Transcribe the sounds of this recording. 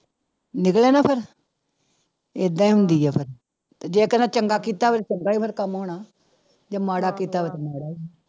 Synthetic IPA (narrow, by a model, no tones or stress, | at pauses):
nɪkleːnaːpʰɪɾ | eːd̪ãĩɦʊnd̪iːɦɛːpʰɪɾ | t̪ed͡ʒeːkənãːt͡ʃəŋɡaːkiːt̪aːʋət̪t͡ʃəŋɡaːiːpʰəɾkəmɦoːɳaː | d͡ʒamaːɽaːkiːt̪aːʋət̪maːɽaː